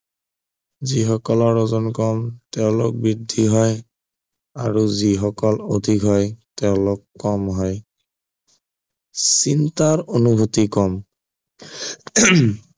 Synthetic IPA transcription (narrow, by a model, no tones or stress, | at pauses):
zixɔkɔlɔɹːɔzɔnkɔmtɛʊ̃lʊk̚bɹidʱiɦɔj | aɹuzixɔkɔlodʱikɦɔjtɛʊ̃lʊkːɔmɦɔj | sintaɹonubʱutikɔm